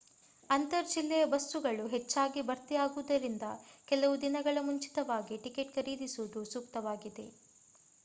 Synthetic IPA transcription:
ɐnt̪ɐɾd͡ʒilːɛjɐbɐst̪uɡɐɭuɦet͡ʃːaːɡibɐɾt̪ijaːɡuʋd̪ɐɾind̪ɐkɛlɐʋud̪inɐɡɐɭɐmuɲt͡ʃi̥t̪ɐʋaːɡiʈike̞ʈkɐɾiːd̪isud̪usuːkt̪ɐʋaːɡid̪e̞̰

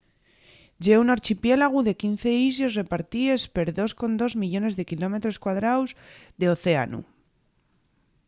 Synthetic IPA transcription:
ɟ͡ʝeunaɾt͡ʃipje̞laɣ̞uðe̞kin̟θe̞izosre̞paɾt̪ie̞spe̞ɾðo̞sko̞nd̪o̞zmiʎo̞ne̞zðe̞kilo̞me̞t̪ɾo̞skwað̞ɾawzðe̞o̞θe̞a̰nṵ

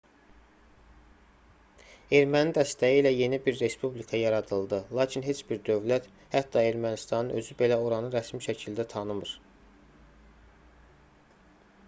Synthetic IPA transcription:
e̞ɾmænid̪æst̪æjiːlæje̞nibiɾːe̞spublikʰɑjɑɾɑd̪ɯlˠd̪ɯlˠɑːcʰinɦe̞t͡ʃbiɾd̪ø̞vlæt̪ | hæt̪ːɑe̞ɾmænist̪ɑnɯnø̞zybe̞læo̞ɾɑnɯɾæsmiʃæcʰild̪æt̪ʰɑnɯmɯɾ

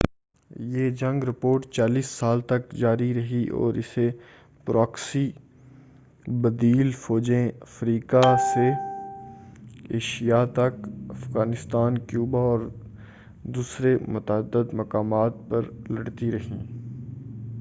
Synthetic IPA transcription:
jeːd͡ʒɐ̃ŋɡɾɪpoːɾʈt͡ʃaːliːsːaːlt̪ɐk̚d͡ʒaːɾiɾɐɦiʔɔ̰ːɾɪse | pɾʔaːksi | bɐd̪iːlfɔːd͡ʒẽɐfɾiːkase | ḛːʃijat̪ɐkɐfɣaːnɪst̪aːnkjuːbaɔːɾ | d̪uːsɾemʊt̪əəd̪ːəd̪mɐkaːmaːt̪̚pɐɾlɐɽt̪iɾɐɦḭ̃ː

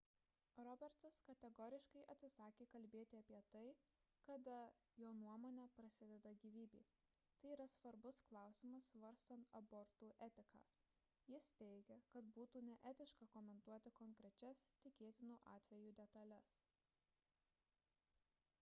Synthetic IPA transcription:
ɾɔbʲɛɾt̪sɐskɐt̪ʲɛɡɔːɾʲɪʃkɐɪʔɐt̪ʲsʲɪsɑːkʲeːkɐlʲbʲeːt̪ʲɪɐpʲiɛt̪ɐɪ | kɐd̪ɐ | joːnuɔmoːnʲɛpɾɐsʲɪd̪ʲɛd̪ɐɡʲiːʋʲiːbʲiː | t̪ɐɪiːɾɐsʋɐɾbʊsklˠɑˑʊsʲɪmɐsʋɐɾʲst̪ɐnt̪ɐbɔɾt̪uːʔɛt̪ʲɪkɑ̰ː | jɪst̪ʲɛɪɡʲɛkɐt̪buːt̪uːnʲɛʔɛt̪ʲɪʃkɐkɔmʲɛnt̪uɔt̪ʲɪkɔŋʲkɾʲɛt͡ʃʲɛst̪ʲɪkʲeːt̪ʲɪnuːʔɑ̰ːt̪ʲʋʲɛjuːd̪ʲɛt̪ɐlʲɛs

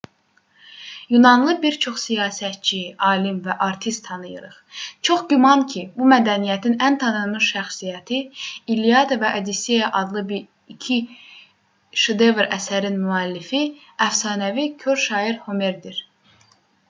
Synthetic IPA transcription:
junɑnlˠɯbiɾt͡ʃʰo̞χsijɑːsæt̪̚t͡ʃʰiʔɑːlimvæʔɑɾt̪ʰist̪ʰːɑnɯjɯ̰ɾɯχt͡ʃʰo̞χɟymɑncʰibumæd̪ænijæt̪ʰinænt̪ʰɑnɯmɯʃæχsijæt̪ʰiilijɑd̪ɑvæʔɑd̪isejɑʔɑd̪lˠɯbi | icʰi | ʃed̪evɾæ̰sæɾinmyælːifi | æfsɑːnævicʰøɾʃɑːiɾhome̞ɾd̪iɾ

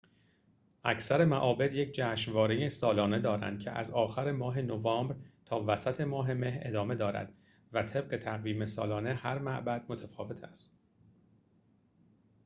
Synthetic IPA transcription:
ʔæ̰cʰsæɾe̞mæʔɒːbe̞d̪je̞cʰd͡ʒæːʃvɒːɾijesɒːlɒːne̞d̪ɒːɾæ̰nd̪̚cʰḛʔæ̰zɒːxæɾe̞mɒːɦe̞novɒːmbɾt̪ʰɒːvæsæt̪ʰe̞mɒːɦe̞me̞ɦɾʔe̞̰d̪ɒːme̞d̪ɒːɾæ̰d̪̥ | væt̪ʰe̞b̥̚ɢe̞t̪ʰæɣviːme̞sɒːlɒːne̞hæɾmæʔbæd̪̥mot̪ʰæfɒːve̞t̪ʰæ̰st̪

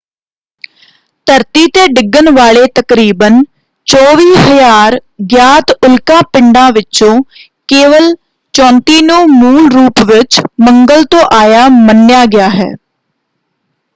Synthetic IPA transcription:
t̪əɾt̪iːt̪eːɖɪɡːənʋaːɭeːt̪əkɾiːbən | t͡ʃɔːʋiːɦəjaːɾɡjaːt̪ʊlkãːpɪɳɖãːʋɪt͡ʃõː | keːʋəl | t͡ʃɔ̃ːnt̪iːnũːmuːlɾuːpʋɪt͡ʃməŋɡəlt̪õːʔaːjaːmənjaːɡɪjaːɦɛ̰ː

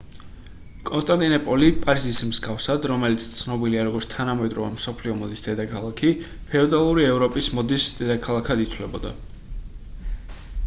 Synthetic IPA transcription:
kʼɔnst̪ʼant̪ʼinɔpʼɔlipʼaɾizismzɡafsad̪ɾɔmɛlit̪sʰt̪sʰnɔbiliaɾɔɡɔɾt̪t̪ʰanamɛd̪ɾɔvɛmsɔpʰliɔmɔd̪isd̪ɛd̪akʰalˠakʰi | pʰɛɔd̪alˠuɾiɛvɾɔpʼismɔd̪isd̪̥ɛd̪akʰalˠakʰad̪it̪sʰvlɛbɔd̪a̰

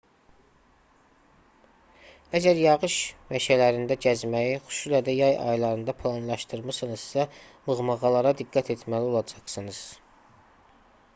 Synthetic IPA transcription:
æd͡ʒæɾjɑʁɯʃmæʃælæɾind̪æɟæzmæjiχu̥ʃulæd̪æjɑjɑ̰jlˠɑɾɯnd̪ɑpʰlˠɑnlˠɑʃt̪ɯɾmɯsɯnɯz̥sæ | mɯɣmɑʁɑlˠɑɾɑd̪iɡːæt̪ʰe̞t̪ʰmælio̞lˠɑd͡ʒɑχsɯnɯz̥

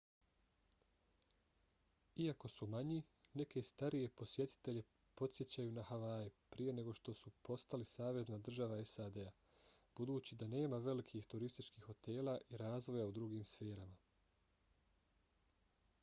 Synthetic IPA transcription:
iako̞sumaɲi | ne̞ke̞st̪aɾije̞po̞sje̞t̪i̥t̪e̞ʎe̞ | po̞t̪sje̞t͡ɕajuːnahaʋajipɾije̞ne̞ɡo̞ʃt̪o̞supo̞st̪alisaːʋe̞znad̪r̩ʒaʋae̞sad̪ea | b̥ud̪uːt͡ɕid̪ane̞ːmaʋe̞likʰixt̪uɾist̪it͡ʃkiːxːo̞t̪e̞ːlaʔiɾaːzʋo̞jaud̪ɾuɡiːmsfe̞ːɾama

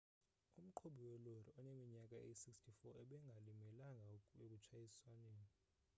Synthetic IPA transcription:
um̩ǃʰoɓiwɛloriɔnemiɲak̬ʼaeisikstʰifɔʔɛɓɛŋɡʱalimɛlaŋɡʱaek̬ʼut͡ʃʰajiswaneːni

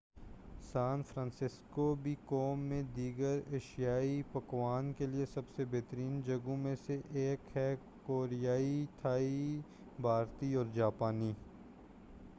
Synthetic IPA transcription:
saːnfɾãːnsɪskobʱikɔːmːẽd̪iːɡəɾeːʃijaːipɐkwaːnkeliesɐbsebeːt̪əɾiːnd͡ʒɐɡõmẽseʔeːkɦɛ | koːɾijaːit̪ʰaːi | bʱaːɾt̪iɔːɾd͡ʒaːpaːniː

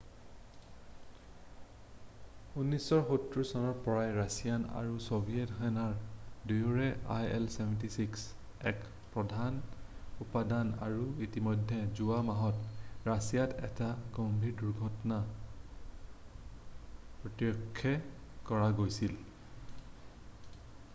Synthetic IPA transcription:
unːisɔɹxutɹusɔnɔɹpɔɹajɹasijana̰ɹusobʱijɛtxɛnaɹdujuɹɛʔa̰jɛlsɛbɛntisiks | ɛk | pɹɔdʱanupadana̰ɹuitimɔjdʱːɛzuamaɦɔtɹasijatʰɛ̰taɡombʱiɹduɹɡʱɔtɔna | pɹɔtjɔkʰːɛ | kɔɹaɡojsil

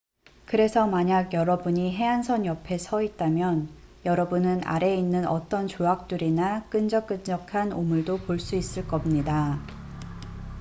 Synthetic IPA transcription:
kɯɾe̞sʰʌmaɲaɡjʌɾʌbuɲiɦe̞ansʰʌɲjʌpʰe̞sʰʌit̚t͈amjʌnjʌɾʌbunɯna̰ɾe̞inːɯnʌt͈ʌnt͡ɕoak̚t͈uɾinak͈ɯnd͡ʑʌk͈ɯnd͡ʑʌkʰanomuɭdopoɭs͈uis͈ɯɭk͈ʌmɲida

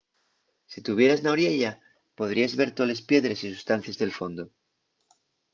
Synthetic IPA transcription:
sit̪uβ̞je̞ɾaznawɾjeʎa | po̞ðɾiazβe̞ɾt̪ole̞spje̞ðɾe̞sisust̪an̟θjazðe̞lfo̞nd̪o

